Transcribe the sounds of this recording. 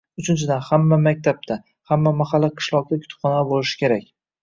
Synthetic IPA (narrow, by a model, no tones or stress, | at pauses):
ʊt͡ʃʰɪnt͡ʃʰɪd̪anhamːamak̚ʲt̪ʰap̚t̪ʰa | hamːamaχalːaqʰɨ̥ʃlˠɒq̚d̪ʲakʲʰʊ̥t̪ʰʊ̥pχɒnad̪bolɪʃɪ̥kʲe̞ɾakʲ